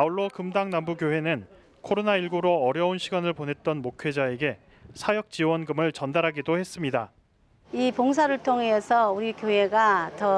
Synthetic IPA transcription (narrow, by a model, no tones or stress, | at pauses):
auɭːokɯmdaŋnambuɡjoɦwe̞nɯn | kʰoɾonaiɭɡuɾoʌɾjʌunɕʰiɡanɯɭpone̞t̚t͈ʌnmokʰɥe̞d͡ʑae̞ɡe̞ | sʰajʌk̚t͡ɕ͈iwʌnɡɯmɯɭt͡ɕʌndaɾɦaɡidohe̞s͈ɯmɲida | ipoŋs̬ʰaɾɯɭtʰoŋesʰʌuɾikjoɦe̞ɡatʌ